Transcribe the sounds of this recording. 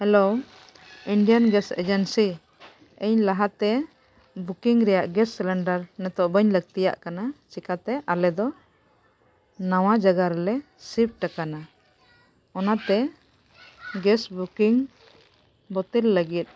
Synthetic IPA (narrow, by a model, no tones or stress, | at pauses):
hɛlo | iɳɖijanɡɛsɛ̰d͡ʒɛnsi | əɲlaɦat̪ɛ | bukiŋɾɛjaʔɡɛsːɛlɛɳɖaɾnɛt̪ɔʔbəɲləɡ̚t̪ija̰ʔkanat͡ʃikat̪ɛʔalɛd̪ɔ | naw̃ad͡ʒaɡaɾɛlɛ | sip̚ʈakana | ɔnat̪ɛ | ɡɛsbukiŋ | bɔt̪ɛlːəɡit̪̚